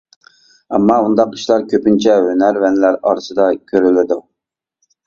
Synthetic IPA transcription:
ɛmːɑund̪ɑqi̥ʃlˠɑɾkʲʰøpynt͡ʃʰɛønæɾvɛnɪlæɾɑ̰ɾɨsɨd̪ɑkʲʰøɾylɪd̪u

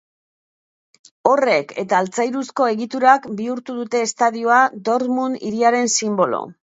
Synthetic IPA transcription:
o̞re̞kʰe̞̰t̪aːlt͡sajɾusko̞e̞ɣit̪uɾakbiuɾt̪uðut̪e̞ːst̪aðioad̪o̞ɾt̪munḭɾiaɾe̞nsimbo̞lo̰

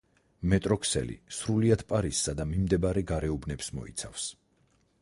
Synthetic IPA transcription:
mɛt̪ʼɾɔkʰsɛ̰lḭsɾuliad̪̥pʼaɾisːad̪amimd̪ɛbaɾɛɡaɾɛubnɛpsmɔ̰ḭt̪sʰafs

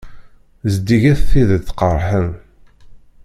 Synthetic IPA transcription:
zd̪iʝæθθiðəθqəɾˤħən

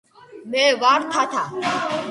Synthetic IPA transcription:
mẽːʋaːɾt̪ʰaːt̪ʰaː

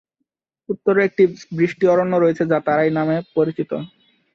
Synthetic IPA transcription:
ut̪ːoɾek̚ʈibɾiʃʈiɔɾonːoɾojet͡ɕʰed͡ʑat̪aɾajnamepoɾit͡ɕit̪o

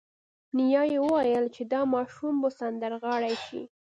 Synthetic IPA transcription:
nijɑjewəwajəlt͡ʃed̪ɑmɑʃumbəsand̪aɾɣɑɽajʃḭ

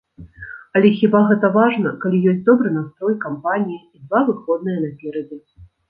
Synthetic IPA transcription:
ɐlʲɛxʲibaɣɛt̪ɐvaʐnɐkalʲijɔsʲtʲd̪ɔbɾɨnast̪ɾɔjkampanʲijiːd̪vavɨxɔd̪nɨjɐnɐpʲɛɾɐd͡zʲɛ

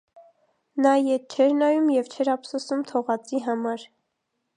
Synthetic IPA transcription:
nɑjɛt̪̚t͡ʃʰɛɾnɑjumjɛvt͡ʃʰɛɾɑpsɔsumt̪ʰɔʁɑt͡siɦɑmɑɾ

